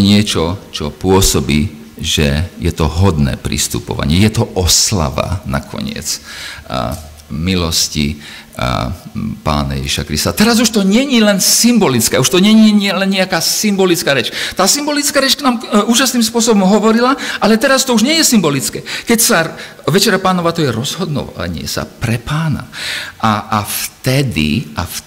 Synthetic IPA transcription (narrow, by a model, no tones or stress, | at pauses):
ɲɪɛt͡ʃɔt͡ʃɔpʊɔsɔbiː | ʒɛjɛt̪ɔɦɔd̪nɛ̰ːpɾḭst̪ṵpɔ̰ʋa̰ɲɪɛjɛt̪ɔʔɔsla̰ʋa̰na̰kʰɔ̰ɲɪɛ̰t͡s | milɔscḭ | pa̰ːna̰jɛ̰ʒiʃakɾist̪at̪ɛɾazuʃt̪ɔɲɪɛɲilɛnsimbɔlit͡skɛːuʃt̪ɔɲɛɲiɲɪɛlɛnɲɛakaːsimbɔlit͡skaːɾɛt͡ʃt̪aːsimbɔlit͡skaːɾɛt͡ʃknaːmuːʒasniːmspʊɔsɔbɔmɦɔʋɔɾilaʔalɛt̪ɛɾast̪ɔuʒɲɪɛjɛsimbɔlit͡skɛːkɛcsa | ʋɛt͡ʃɛɾapaːnɔʋaːt̪ɔjɛɾɔzɦɔd̪nɔ̰ʋa̰ɲɪɛ̰sa̰pɾɛpaːna̰ʔaaft̪ɛd̪ḭaf